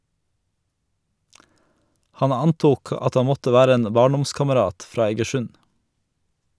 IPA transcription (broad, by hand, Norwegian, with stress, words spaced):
ˈhɑn ˈɑnˌtuːk ˈɑt ˈɑ ˈmɔtə ˈʋæːɾə ˈeːn ˈbɑːɳˌdɔmskɑməˌɾɑːt ˈfɾɑː ɛɡəˈʃʉn